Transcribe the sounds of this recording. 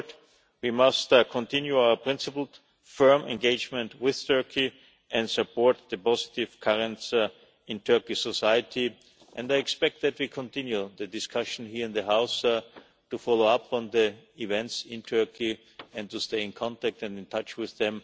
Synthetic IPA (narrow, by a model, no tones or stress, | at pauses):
t | wimʌstkʰɔ̃ntʰɪ̃njuaʊə˞pʰɹ̥ɪ̃nsɪpl̩ˠ | fɜ̃˞mɛ̰̃nɡeɪd͡ʒmɛ̃ntwɪðtʰɜ˞kʰi | ʔɛ̃ndsəpʰɔɹt̪̚ðəpɔzɪ̥tɪv̥kʰaɹə̃nts | ɪ̃ntʰɜ˞kisɔsaɪətʰi | ʔɛ̃ndaɪɛkspɛk̚t̪̚ðæt̚wiːkʰɔ̃ntɪ̃njuðɨdɪskʰaʃn̩hiːɹɪ̃nðəɦaʊs | tufɔloʊapʰɔ̃nðəivɛ̃ntsɪ̃ntʰɜ˞kʰi | ɛ̃ntusteɪɪ̃nkʰɑ̃ntæk̚tɛ̃ndɪ̃ntʰat͡ʃwɪððɛ̃m